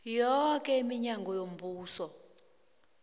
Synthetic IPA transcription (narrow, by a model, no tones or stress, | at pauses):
jɔk̬ʼɛimiɲaŋɡɔjom̩buːsɔ